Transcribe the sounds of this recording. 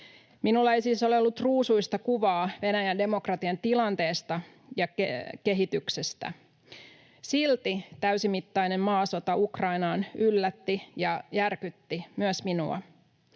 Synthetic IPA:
minulːɑejsiːsoleolːut̪ruːsuist̪ɑkuʋɑːʋe̞næjænde̞mo̞krɑt̪iɑnt̪ilɑnt̪e̞ːst̪ɑ | jɑkeke̞ɦit̪yksest̪æ̰ | silt̪it̪æysimit̪ːɑinemmɑːso̞t̪ɑukrɑinɑːnylːæt̪ːijɑjærkyt̪ːimyøsminṵɑ̰

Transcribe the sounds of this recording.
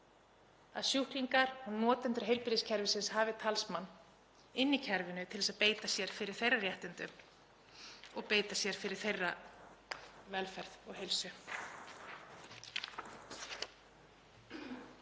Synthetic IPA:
a̰ðsjuhkliŋkaɾunɔːt̪ɛnt̪ɾʏɦejlpɪɾiscʰɛɾvɪsɪnshaːvɪt̪ʰalsmanː | ɪnːicʰɛɾvɪnʏt̪ʰɪlvɛsaðpeːjt̪asjɛɾ̥fɪɾɪɾ̥θejrːarjɛht̪ɪnt̪ʏm | ɔɣpeːjt̪asjɛɾ̥fɪɾɪɾ̥θejrːa̰ | vɛlfɛɾðɔɣɦejlsʏ

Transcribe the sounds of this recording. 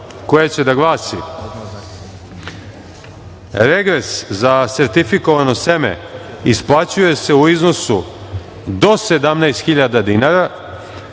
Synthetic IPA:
kojet͡ɕe̞d̪aɡlˠaːsi | ɾeɡɾe̞szase̞ɾt̪ifikoʋano̞semḛ | isplˠat͡ɕuje̞se̞uizno̞su | d̪o̞se̞d̪amnajst̪xiʎad̪ad̪inaɾa

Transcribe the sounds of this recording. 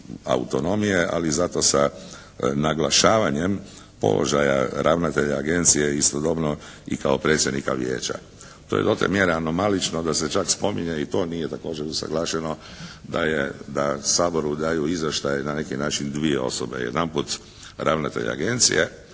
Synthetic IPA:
a̰ṵt̪o̞no̞mijeʔa̰lizat̪o̞sa | naɡlˠaʃaːʋaɲe̞m | po̞̰lʔo̰ʒaja̰ɾʔaːʋnat̪eʎaaɡe̞nt̪sijeist̪od̪o̞bno̞ḭkaopɾe̞t̪sʲje̞d̪nikaʋjḛːt͡ɕa̰ | t̪ojed̪ot̪ḛmjeɾeano̞malit͡ʃno̞d̪aset͡ʃakspo̞miɲeit̪o̞ːnijet̪ako̞ːd͡ʒeɾusa̰ɡlˠaːʃeno̞ | d̪ajed̪asaːbo̞ɾud̪aːjuizjaʃt̪ajnane̞kinaːt͡ʃind̪ʋie̞o̞̰sobe̞̰jḛd̪anput̪ | ɾaʋnat̪e̞̰ʎa̰a̰ɡe̞nt̪sḭje

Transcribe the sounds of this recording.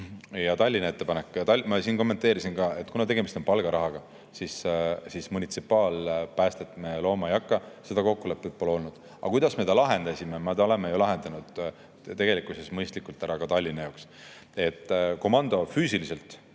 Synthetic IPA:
jɑt̪ɑlʲːinɑe̞t̪ːe̞pɑnekːˑjɑt̪ɑlmɑsiːnko̞mːe̞nt̪ːˑe̞ːɾisinɡɑːe̞t̪ːkunɑt̪e̞ɡ̥e̞mist̪o̞npɑlɡ̥ɑɾʔɑɦɑɡ̥ɑ | sissismunʲit̪sipːˑɑːlpæːst̪et̪ːˑmelo̞ːmɑejɑkːɑse̞d̪ɑko̞kːule̞pːˑet̪̚pːolo̞lnud̪̥ | ɑ̰kujd̪̥ɑsme̞t̪ɑlɑɦe̞nd̪̥ɑsʲimemɑt̪ɑole̞mejulɑɦe̞nd̪ɑnud̪̥ | t̪e̞ɡ̥e̞likusesmɤjst̪likult̪æɾɑkɑt̪ɑlʲːinɑjɑoks | e̞t̪ːˑko̞mɑnd̪o̞fyːsilise̞lt̪ˑ

